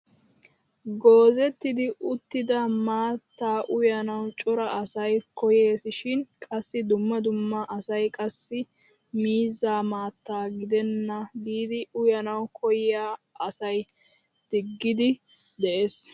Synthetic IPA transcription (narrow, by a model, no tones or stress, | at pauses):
ɡoːzɛt̪ːɪd̪ɪʔʊt̪ːɪd̪ɐmaːt̪ːaːʔʊjɐnɐwt͡ʃʼɔɾɐɐsɐjkɔje̞ːsɪʃɪnkʼɐsːɪd̪ʊmːɐd̪ʊmːɐʔɐsɐjkʼɐsːɪ | miːzaːmaːt̪ːaːɡɪd̪ɛnːɐd̪iːd̪ɪʊjɐnɐwkʰɔjɪjaː | ʔɐsɐj | d̪̥ɪɡːɪd̪ɪd̪ɛʔeːs